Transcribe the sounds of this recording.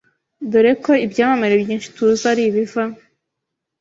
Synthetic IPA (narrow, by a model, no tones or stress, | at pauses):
duɾeko̞ibjaːmameɾebjiːnʃi̥tuzaɾiβiva